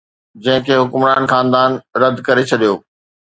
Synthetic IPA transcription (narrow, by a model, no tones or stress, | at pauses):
d͡ʑɐ̃ɦɪ̃kʰeːɦʊkʊmɾaːnxaːnd̪aːnɾɐd̪kɐɾet͡ɕʰɐɗijo̰ː